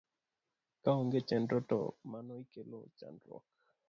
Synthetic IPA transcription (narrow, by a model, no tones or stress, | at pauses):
kaoŋɡet͡ʃɛndɾɔtɔ̰manɔikelo̰t͡ʃa̰ndɾɔ̰k̚